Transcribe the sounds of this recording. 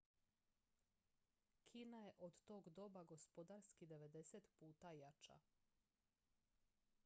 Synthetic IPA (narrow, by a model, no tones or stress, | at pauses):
kʰinaje̞ʔod̪t̪o̞ːɡd̪o̞baɡo̞spo̞d̪aːɾskid̪e̞ʋe̞d̪e̞set̪puːt̪ajat͡ʃa̰